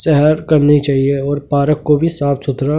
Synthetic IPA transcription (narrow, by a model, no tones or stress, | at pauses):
sɛɦəɾkɐɾnit͡ʃaːɦieɔːɾpaːɾəkːobʱisaːfsʊt̪ɾa